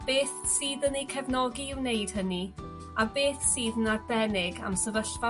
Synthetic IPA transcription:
b̥eːθsiːðənejkʰɛvnɔɡiɪwnejd̥həni | abeːθsiːðnabɛnɪɡa̰msəvəɬva

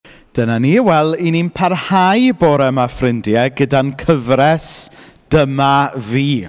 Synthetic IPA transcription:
d̥ənaniːwɛlˠininpʰarhajboːɾɛmafrɪndjɛɡədankʰəvɾɛsd̥əmaviː

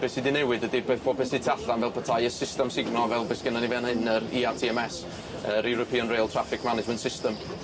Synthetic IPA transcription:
b̥esidɪnɛwɨdədibeːθbʰobesitʰaɬanvɛlˠpʰətʰajəsɪstɛmsɪɡmnɔvɛlˠbesɡ̥ənanivɛnhɪnəɾiːatʰiɛmɛs | əɾɛwɾɔpʰiːənrejlˠtʰr̥afɪkʰmanɪd͡ʒmɛntsɪstəm

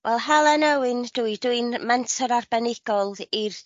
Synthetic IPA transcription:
wʔɛlˠɦɛlˠɛnɛwɪnd̥uiduɨnmɛntʰɔɾarbɛnɪɡ̥ɔlˠir

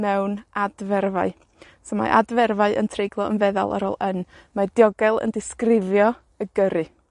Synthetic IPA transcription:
mɛwnadvɛrvaɨ | sɔma̰ʔa̰dvɛrvaɨʔə̰ntʰrejɡlˠɔənvɛða̰lˠʔa̰ɾɔ̰lˠən | madjɔɡɛlˠə̰ndɪskrɪvjɔ | əɡəɾɨ

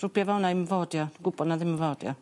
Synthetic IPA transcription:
rupjavawnaiməvɔːdjaɡubɔnaðɪməvɔːdja̰

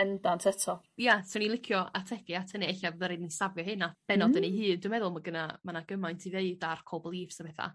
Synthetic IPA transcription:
ɛndantʰətʰɔ | jasɔnilˠɪkʰjɔatʰɛɡɨatʰəniɛɬavðəɾednisavjɔhɨnab̥ɛnɔdənejhɨːnduːmɛðʊlˠmɔɡənamanaɡ̥əmajntʰiveɨdarkʰoblˠiːfsəbɛθa̰

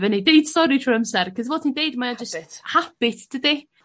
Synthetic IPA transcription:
vənedeɨd̥stɔɾitʰroəmsɛrkʰəzvoːdtʰidejdmajad͡ʒəsthapɪθd̥ədi

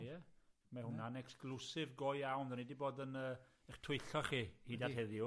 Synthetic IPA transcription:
ɛ | mahʊnanɛksklˠusɪvɡojawnðɛnidiboːdənəːɛχtʰʊjɬɔχiːhiːdḁhɛðjʊ

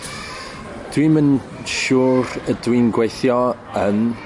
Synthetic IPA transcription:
d̥wimən | ʃuːɾədwinɡwejθjɔ | ən

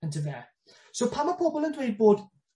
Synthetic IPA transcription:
ɪ̃ntʰuðɛ | sowpʰamapʰɔbəlˠəndwejd̚boːd

